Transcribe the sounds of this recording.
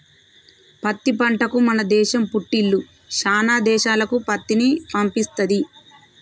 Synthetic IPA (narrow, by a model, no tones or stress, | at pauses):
pɐt̪ːipɐɳʈɐkumɐnɐd̪ɛːʃɐmpuʈːilːu | ʃaːnaːd̪ɛːʃaːlɐkupɐt̪ːinipɐmpist̪ɐd̪i